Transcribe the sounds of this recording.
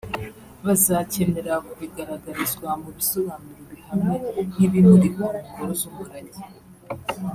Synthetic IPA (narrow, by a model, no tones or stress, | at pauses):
βazace̞me̞ɾakuβiɡaɾaɡaɾizɡwamuβisoβanuɾiβihamen̥iβimuɾikoumuhoɾozumuɾaɟi